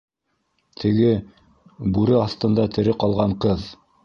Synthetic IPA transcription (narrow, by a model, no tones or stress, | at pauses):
t̪ʰɘ̆ɡɘ | bʉɾɘɑθt̪ɤ̆nd̪ɑt̪ʰɘ̆ɾɘqɑlˠʁɑɴqɤð